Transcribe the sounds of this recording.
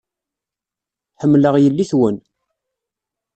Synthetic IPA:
ħəmːləʁjəlːiθwən

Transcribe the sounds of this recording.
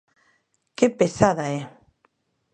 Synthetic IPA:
kepesaðae

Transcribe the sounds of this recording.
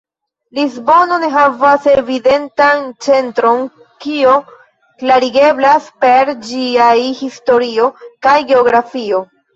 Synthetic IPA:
lizbo̞no̞ne̞ɦavasevide̞ntant͡se̞ntɾo̞n | kio | klaɾiɡe̞blaspe̞ɾd͡ʒiajhisto̞ɾio̞kajɡe̞o̞ɡɾafio̞

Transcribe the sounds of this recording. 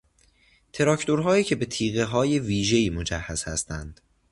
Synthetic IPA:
t̪ʰe̞ɾɒcʰt̪ʰo̞ɾɦɒːiːcʰe̞be̞t̪ʰiːɣe̞ɦɒːje̞viːʒe̞iːmo̞d͡ʒæhːæz̥hæst̪ʰænd̪̥

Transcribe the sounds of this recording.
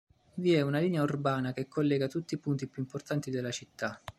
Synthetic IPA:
viɛunaliːneaurbaːnakekʰːolːɛːɡat̪ut̪ːipunt̪ipjuimport̪ant̪id̪elːat͡ʃit̪ːa

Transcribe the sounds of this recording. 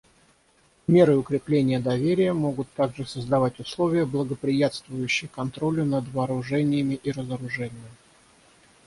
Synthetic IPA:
mʲe̞ɾɨʊkɾʲɪplʲenʲɪjəd̪ɐvʲeɾʲɪjəmo̞ɡʊt̪ːaɡʐɨsəzd̪ɐvatʲʊslˠo̞vʲɪjəblˠəɡəpɾʲɪjat̪st̪vʊjʉɕːɪjəkɐnt̪ɾo̞lʲʊnəd̪vɐːɾʊʐɛnʲɪjəmʲɪʔiɾəzəɾʊʐɛnʲɪjəm

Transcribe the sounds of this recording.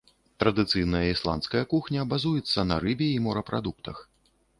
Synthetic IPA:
t̪ɾɐd̪ɨt̪sɨjnɐjɐislˠa̰ntskɐjɐkuxnʲɐːbazujɛt̪sːɐnɐ̰ɾɨbʲɛimɔɾɐpɾʔa̰d̪uk̚t̪ɐx

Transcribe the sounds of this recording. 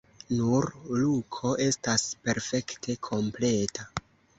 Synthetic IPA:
nuɾlukʰo̞ʔe̞staspe̞ɾfe̞ktʰe̞kʰo̞mple̞tʰa

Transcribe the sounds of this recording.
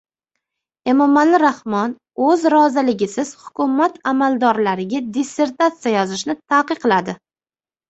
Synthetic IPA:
e̞mɒmalːɪɾahmɒn | ɵzɾɒzɪlɪɡʲɪsɪz̥hʊ̥kʰʊmat̪ʰamalˠd̪ɒɾlaɾɪɡʲad̪ise̞ɾt̪at̪sijajɒzɪʃnɪt̪ʰaːqɨqʰːɨlˠad̪ɪ

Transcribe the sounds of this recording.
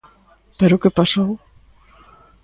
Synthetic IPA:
peɾʊkepasow

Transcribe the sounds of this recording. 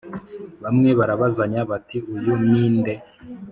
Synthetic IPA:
βamŋe̞βaɾaβazaɲaβatiujuniːnde̞

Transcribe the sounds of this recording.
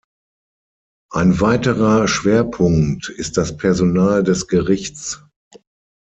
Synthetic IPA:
ʔaɪnvaɪtəʁɐʃv̥eːɐpʰʊŋtɪst̚d̥aspʰɛɐzonaːldɛsɡ̥əʁɪçt͡s

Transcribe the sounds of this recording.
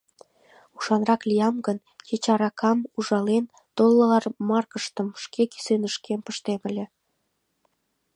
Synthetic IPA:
uʃɑnrɑklʲijɑmɡən | t͡ɕet͡ɕɑɾɑkʰɑmuʒɑlen | t̪olˠːəlɑrmɑrkəʃt̪ə̆mʃkeki̥senəʃkempəʃt̪emə̆lʲĕ

